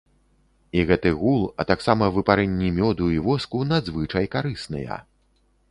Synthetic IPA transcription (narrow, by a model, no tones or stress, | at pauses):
iɣɛt̪ɨɣulˠɐ̰t̪aksamɐvɨpaɾɛnʲːimʲɔd̪uivɔskunad̪zvɨt͡ʂɐjkaɾɨsnɨ̰jɐ̰